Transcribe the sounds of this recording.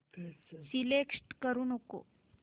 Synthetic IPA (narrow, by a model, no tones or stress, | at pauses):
silekʂʈkəɾuːnoko̰